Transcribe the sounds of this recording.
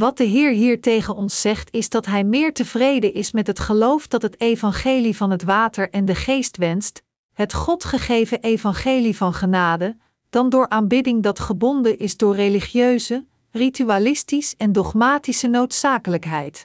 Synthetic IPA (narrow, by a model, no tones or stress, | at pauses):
ʋɑt̚dəɦɪːɹɦiːɹtejχənɔnsːɛχtɪzdɑtɦɛjmɪːɹtəvrejdənʔɪsmɛtɦətχəlowfdɑtɦətejvɑnχejlivɑnɦətʋaːtəɹɛndəχejstʋɛnst | ɦətχɔtχəχejvəʔejvɑnχejlivɑnχənaːdə | d̥ɑndʊːɹʔaːnbɪdɪŋdɑtχəbɔndəʔɪzdʊːɹreliχjøɥzə | rityalɪstisɛndɔχmaːtisənowtsaːkələkɦɛjt